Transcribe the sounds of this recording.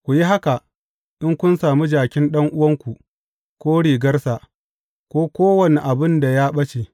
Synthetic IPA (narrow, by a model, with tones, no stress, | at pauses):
kʷu˨ji˦ɦa˦ka˨ | ʔɪ˦ŋkʷʊ˦nsaː˨mu˦d͡ʒaː˨kʲɪ˦nɗɐ˦ŋʔʊ˦wɐ˦ŋkʷu˨ | kʷoː˦ɽiː˨ɡɐ˦rsa˨ | kʷoː˦kʷoː˦wɐ˨ne˨ʔa˨bɪ˦nda˨jaː˦ɓɐ˦t͡ʃe˨